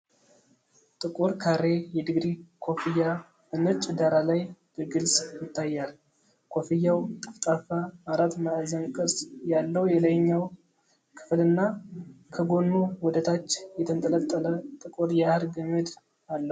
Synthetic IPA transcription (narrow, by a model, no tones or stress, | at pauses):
t̪ʼɨkʼuɾkʰaɾe̞jɛd̪ɨɡɾikʰo̞fija | bɨnɨt͡ʃʼɪd̪aɾalajb̥əɡɨlsʼjɪt̪ʰːajːal | kʰo̞fijːawt̪ʼɨft̪ʼafaaɾat̪maʔzənkʼɨɾsjalːəwjɛləjɲːaw | kʰɨ̥flɨnːakʰəɡo̞nːuwɔd̪ət̪ʰat͡ʃːjɛt̪ʰənt̪ʼələlt̪ʼːələt̪ʼɨkʼuɾjahɨɾɡəmed̪ | alːəu